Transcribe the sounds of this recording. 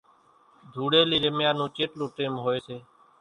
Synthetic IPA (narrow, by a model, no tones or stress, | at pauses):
d̪ʱuːɽeːliːɾəmjaːnũːt͡ʃeːʈlõːʈeːmɦoːeːseː